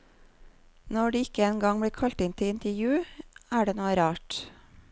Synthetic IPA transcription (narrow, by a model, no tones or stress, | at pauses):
nɔɖiːɪkəeːnɡɑŋbɽiːkʰɑlt̪ɪnt̪ʰɪlɪnt̪əjʉːæːɖeːnoːəɾɑːʈ